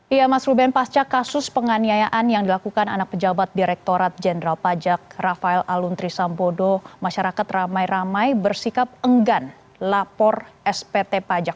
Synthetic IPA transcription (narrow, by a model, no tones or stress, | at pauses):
ijamasɾubɛnpast͡ʃakasʊspəŋaniajaʔanjaŋdilakukana̰nak̚pəd͡ʒabat̪̚diɾɛk̚t̪oɾat̪̚d͡ʒɛndəɾalpad͡ʒak̚rafaɛlalunt̪ɾisambodomaʃaɾakat̪ramajramajbərsikap̚əŋɡan | lapɔrɛspet̪epad͡ʒak̚